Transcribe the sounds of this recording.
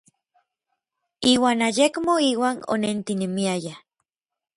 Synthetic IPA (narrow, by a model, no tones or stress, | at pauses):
iːwaːnajekmoiːwaːno̰nent̪inemiaja